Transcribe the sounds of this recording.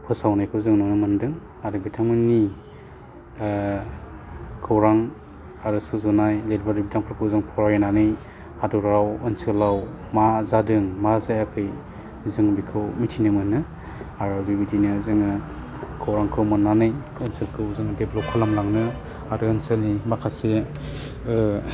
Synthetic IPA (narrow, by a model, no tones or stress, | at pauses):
pʰɯsawnajkʰɯwzɯŋnɯnɯmɯndɯŋ | aɾɯbitʰaŋmɯnːi | kʰɯwɾaŋ | aɾɯsuzunajledbaɾibitʰaŋpʰɯɾkʰɯwzɯŋpʰɔɾajinanɯj | haduɾawɯnselaw | mazadɯŋmazajakʰɯj | zɯŋbikʰɯwmitʰinɯmɯnɯ | aɾɯbibidinɯzɯŋɯ | kʰɯwɾaŋkʰɯwmɔnːanɯj | ɯnselkʰɯwzɯŋdeblɔp̚kʰɔlamlaŋnɯ | aɾɯɯnselnimakʰase